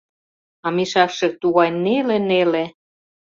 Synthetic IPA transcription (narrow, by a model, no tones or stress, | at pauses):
ɑmiʃɑkʃĕt̪uɣɑjnelenele